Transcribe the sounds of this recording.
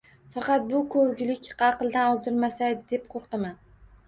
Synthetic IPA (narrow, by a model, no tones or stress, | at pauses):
fɑqɑt̪̚bʊkʰɵɾɡʲlɪkʲqɑqɨlˠd̪anɒzd̪ɪɾmasajd̪ɪd̪e̞p̚qʰoɾqman